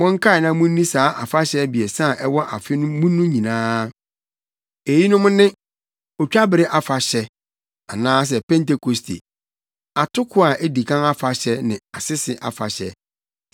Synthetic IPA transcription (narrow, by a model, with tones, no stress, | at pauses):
mɔ̃˦ŋ̩˦kʰa˦˨nã˦mʊ̃˦n˦nĩ˦saː˨˦ʔa˨fa˦ɕɛ˦bi˨ɛ˨sã˦˨ʔɛ˦wɔ˦ʔa̰˨fɪ˦nʊ̃˦mũ˦nʊ̃˦ɲĩ˨nãː˦ | e˨ji˦nʊ̃˦mʊ̃˦nɪ̃˦ | ɔ˨t͡ɕᶣa˦bɪ˨ɾɪ˦ʔa˨fa˨ɕɛ˦ | a˨nãː˦s̬ɛ˨pɛ̃˦nte˦kʰo˨stʰḛ˨ | a˨tʰʊ˦kʰʊ˦a˨ʔe˦di˨kʰã˦na˦fa˨ɕɛ˦nɪ̰̃˨a˨sɪ˦sɪ˨ʔa̰˨fa˨ɕɛ̰˦